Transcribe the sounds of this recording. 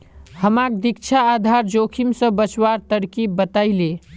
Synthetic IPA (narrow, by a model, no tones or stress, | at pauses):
ɦhəmak̚d̪ik̚t͡ʃʰaːd̪ʱaɾd͡ʒokʰimsə̃bət͡ʃwaɾt̪əɽkibət̪aɪle